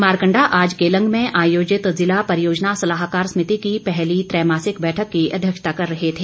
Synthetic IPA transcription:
maːɾkə̃ɳɖaʔaːd͡ʒkeːlə̃ŋɡʱmẽʔaːjoːd͡ʒɪt̪zɪlapɐɾɪjoːd͡ʒnasɐlaɦkaːɾsmɪt̪ikipɛɦlit̪ɾɛːmaːsɪkbɛːʈʰəkːiɐ̰d̪ʱjəkʃt̪akɐɾːɐɦet̪ʰeː

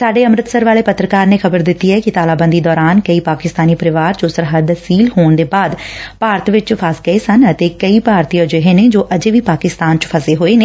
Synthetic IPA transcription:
saːɖeːəmɾət̪səɾʋaːleːpət̪ːɾəkaːɾneːxʰəbəɾd̪ɪt̪ːiːɦɛːkɪt̪aːlaːbə̃nd̪iːd̪ɔːɾaːnkəiːpaːkɪst̪aːniːpəɾɪʋaːɾt͡ʃoːsəɾɦəd̪siːlhoːɳd̪eːbaːd̪paːɾt̪ʋɪt͡ʃpʰaːskəeːsənət̪eːkəiːpaːɾt̪iːãːd͡ʒeɦeːneːd͡ʒoːʔəd͡ʒeːʋiːpaːkɪst̪aːnt͡ʃpʰəseːɦoːeːneː

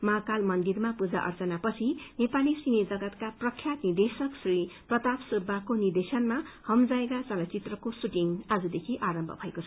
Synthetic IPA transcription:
maɦkalmʌnd̪irmapud͡za̰ʔʌ̰rt͡sʌnapʌt͡sʰinepalisined͡zʌɡʌt̪kaprʌkʰjat̪nid̪esʌksriprʌt̪apsubʱːakonird̪esʌnmahʌmd͡zaekat͡sʌlʌt͡sit̪rʌkosuʈiŋad͡zud̪ekʰiʔaɾʌmbʱʌ̰bʱʌekot͡sʰʌ̥

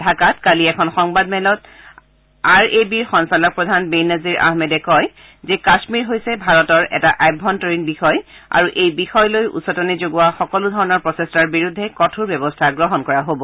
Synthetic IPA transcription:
dʱakatkaliɛkʰɔnxɔŋbadmɛlɔt | aɹebiɹxɔnsalɔk̚pɹɔdʱanbejnaziɹʔa̰hmedɛkɔj | zɛkasmiɹɦojsɛbʱaɹɔtɔɹɛ̰taʔajbʱɔntɔɹinbixɔj | a̰ɹuʔejbixɔjlojṵsɔtɔnizoɡuwaxɔkɔludʱɔɹɔnɔɹpɹɔsestaɹbiɹudʱːɛkɔtʰuɹbɛbɔstʰaɡɹɔɦɔnkɔɹaɦobɔ

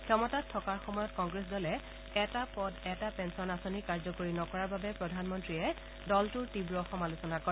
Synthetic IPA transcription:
kʰɔmɔtatʰːɔkaɹxɔmɔjɔtkɔŋɡɹes̬dɔlɛ | ɛtapɔdɛtapɛnsɔnasonikaɹzɔkoɹinɔkɔɹaɹbabɛpɹɔdʱanmɔntɹiɛ | dɔltʊɹtibɹoɔxɔmalusɔnakɔɹɛ

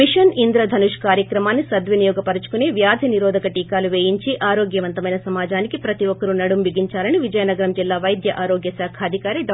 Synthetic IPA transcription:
iʃɐnind̪ɾɐd̪ʱɐnuʂkaːɾjɐkɾɐmaːnːisɐd̪ʋinijɔːɡɐpɐɾɐt͡ʃu̥kuneːʋjaːd̪ʱiniɾɔːd̪ʱɐkɐʈiːkaːluʋeːjiɲt͡ʃiʔaːɾoːɡjɐʋɐnt̪ɐmɐjnɐsɐmaːd͡ʒaːnikipɾɐt̪iʋɔkːɐɾunɐɽumʋiɡiɲt͡ʃaːlɐniʋid͡ʒɐjɐnɐɡɐɾɐmd͡ʒilːaːʋɐjd̪jɐʔaːɾoːɡjɐsaːkʰaːd̪ʱikaːɾiɖ

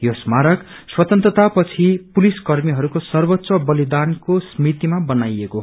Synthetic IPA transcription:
josmaɾʌk | swʌt̪ʌnt̪rʌt̪apʌt͡sʰipuliskʌrmiɦʌɾukosʌrbʌt̪ːsʌbʌlid̪ankosmit̪imabʌnajeko

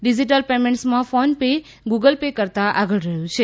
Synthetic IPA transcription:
ɖid͡ʒiʈ̬əlpemẽɳʈsmãfonpe | ɡuɡəlpekəɾt̪aʔaɡəɭɾəɦjũt͡ʃʰe

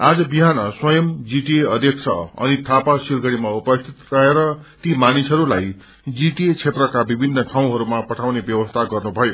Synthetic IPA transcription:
ad͡zʌbiɦanʌswʌjʌmd͡ziʈieʌd̪jʌksʰʌ̰ʌ̰nit̪ʰapasirɡʌɽimaupʌst̪ʰit̪rʌɦeɾʌt̪imanisʌɾulaj | d͡ziʈiet͡sʰet̪rʌkabibʱinːʌʈʰaw̃ɦʌɾumapʌʈʰawnebjʌbʌst̪ʰaɡʌrnubʱʌjo

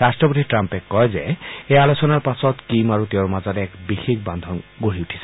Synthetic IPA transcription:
ɾasʈɹɔpot̪iʈɾampekːɔjzeealosɔnaɹpasɔt̪kimaɾut̪ewmazaɾeɛkbixikband̪ʱɔnɡoɦiuʈʰi̥se̥

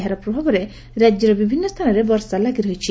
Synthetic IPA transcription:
ɦaɾɔpɾɔbʱabɔɾe | ɾad͡ʒjɔɾɔbibʱinːɔst̪ʰanɔɾebɔɾsalaɡiɾɔɦit͡ʃʰi

